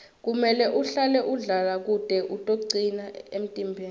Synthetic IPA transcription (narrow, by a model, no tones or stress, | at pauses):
k̬umɛlɛʔuɬalɛʔuɮalak̬ud̥ʼʱɛʔutʼoǀinaem̩tʼimbʱeːn